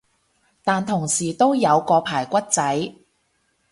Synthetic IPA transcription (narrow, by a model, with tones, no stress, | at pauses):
t̪aː˨nt̪ʰʊ˨˩ŋsiː˨˩t̪o˥wjɐ˨˧wkɔː˧pʰaː˨˩jkʷɐ˥t̚t͡sɐ˨˥j